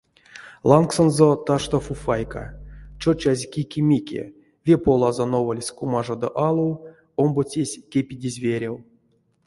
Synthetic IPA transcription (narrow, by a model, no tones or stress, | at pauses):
lˠanksonzot̪aʂt̪ofufajka̰t͡ʃot͡ʃazʲkʲikʲimʲikʲḛ | vʲepolˠazonovolʲsʲkumaʐod̪o̰ʔalˠuw | ombot͡sʲesʲkʲepʲidʲizʲvʲeɾʲew